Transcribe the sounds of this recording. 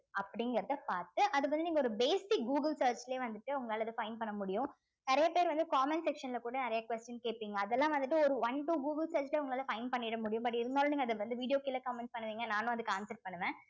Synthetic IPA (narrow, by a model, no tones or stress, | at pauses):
ɐpːɐɽɪŋɡɐɾɐðɯpaːɾt̪ɯʔɐðɯʋɐnd̪ɯniːŋɡɐɔɾɯbeːsɪk̚ɡuːɡɐlsɐːɾt͡ʃleːʋɐnd̪ɯʈːɯʊŋɡɐaːlɐðɯfɐɪnpɐɳːɐmʊɽɪjʊ̃ | nɪɾɐjɐpeːɾʋɐnd̪ɯkaːmɛnsɛkʂɐnlɐkuːɽɐnɪɾɐjɐkʋɛsʈjɐnkeːʈ̚piːŋɡɐːðɛlːãːʋɐnd̪ɯʈːɯɔɾɯʋɐɳʈuɡuːɡɐlsɐːɾt͡ʃleːʊŋɡɐɭaːlɐfɐɪnpɐɳːɪɽɐmʊɽɪjʊ̃mbɐʈ̬ːɪɾɯnd̪aːlʊ̃niːŋɡɐðɯʋɐnd̪ɯʋiːɽɪjoːkɪlːɐkaːmɛɳʈspɐɳːɯʋiːŋɡɐnãːnʊ̃ɐðɯkːaːnsɐɾʈ̚pɐɳːɯʋẽː